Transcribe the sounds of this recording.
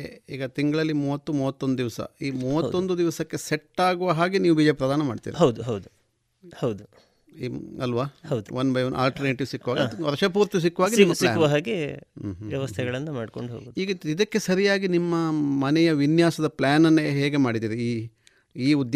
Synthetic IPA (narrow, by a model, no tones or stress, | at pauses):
iːɡɐt̪iŋɡɐɭɐlːimuːʋɐt̪ːumuːʋɐt̪ːond̪ud̪iʋɐsɐ̰iːmuːʋɐt̪ːond̪ud̪iʋɐsɐkːe̞seʈːaːɡuʋɐɦaːɡiniːʋubiːd͡ʒɐpɾɐd̪aːnɐmaːɖt̪ḭːɾhɐwd̪uɦɐwd̪u | hɐwd̪u | iɐlʋaːhɐwd̪uʋɐnbɐjɐna̰ːlʈɐɾneːʈiʋsikːuʋaːɡiɔɾɐʃɐpuːɾt̪is̬ikːuʋaːɡiimɐsiaːʋɐɦaːɡeɦʋjɐʋɐst̪ʰɛɡɐɭɐnːɐmaːɖkoɳɖuɦoːɡoːdiːɡɐid̪ɐkːe̞sɐɾijaːɡinimːɐmɐnɛjɐʋinjaːsɐd̪ɐplaːnɐnːeɦeːɡe̞maːɽid̪iːɾiiː | iːud̪j